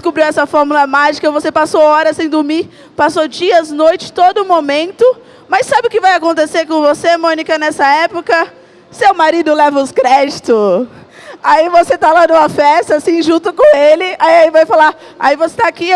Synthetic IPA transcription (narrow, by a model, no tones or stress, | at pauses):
dskubɾiwɛsɐfɔɾmulɐmaʒikɐvosepasowɔɾɐsẽj̃d̪ʊɾmi | pasod͡ʒiɐznojt͡ʃɪ̥t̪od̪ʊmomẽnt̪ʊ | mɐsːabɪʊkɪvajakõnt̪eseɾkõvosemõnikɐnɛsɐɛpokɐ | sewmaɾid̪ʊlɛvɐʊskɾɛd͡ʒt̪ʊ | aivoset̪alanũmɐfɛst̪ɐasĩʒũt̪ʊkõelɪaiaivajfala | a̰ivose̥t̪aaki